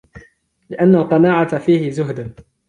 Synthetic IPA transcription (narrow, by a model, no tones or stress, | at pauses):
lɪʔanːalqɑnaːʕat̪afiːhɪzʊɦd̪an